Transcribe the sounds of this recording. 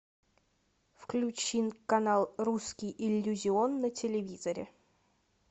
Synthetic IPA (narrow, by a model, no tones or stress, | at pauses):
fklʲʉt͡ɕinkɐnalˠruskʲɪjʔɪlʲːʊzʲɪonːətʲɪlʲɪvʲizəɾʲɪ̰